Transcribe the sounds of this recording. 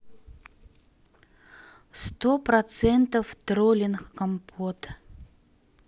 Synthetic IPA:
st̪opɾɐt̪sɛnt̪əft̪ɾolʲɪnxkɐmpʰot̪

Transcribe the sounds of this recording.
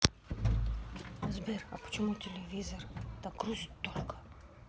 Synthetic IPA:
zbɛɾɐ̰po̥t͡ʃɛmut̪ʲelʲevʲizoɾd̪aɡɾuzʲit̪ːɔlkə̥

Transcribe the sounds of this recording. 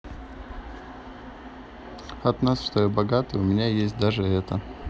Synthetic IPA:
ɐt̪nasʂt̪ojɛbɐɡat̪ɨjʊmʲɪnʲajesʲt̚ʲd̪aʐɨɛt̪ə

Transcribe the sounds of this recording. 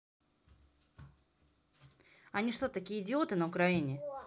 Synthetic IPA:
ɐnʲiʂt̪ot̪ɐkʲijəɪdʲɪot̪ɨnəʊkɾɐinʲɪ

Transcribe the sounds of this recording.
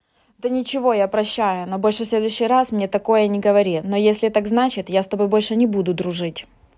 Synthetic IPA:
d̪ɐnʲɪt͡ɕɪvo̞japɾɐɕːæjʊnobo̞lʲʂɨsʲlʲe̞d̪ʊjɕːɪjɾasmnʲet̪ɐko̞jənʲɪɡəvɐɾʲino̞jesʲlʲɪt̪aɡznat͡ɕɪt̪jast̪ɐbo̞jbo̞lʲʂɨnʲɪbud̪ʊd̪ɾʊʐɨtʲ

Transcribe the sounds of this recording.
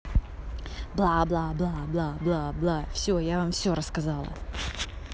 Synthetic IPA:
blˠablˠablˠablˠablˠablˠafsʲojavamfsʲo̞ɾəskɐzalˠə̰

